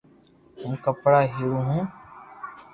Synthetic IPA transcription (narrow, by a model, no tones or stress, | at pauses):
hʊmkəpɽaːɦiːɾũːɦũː